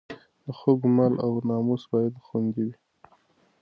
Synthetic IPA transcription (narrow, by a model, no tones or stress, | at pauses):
d̪əxoɡmalʔawnɑmusbɑjad̪xwand̪iwi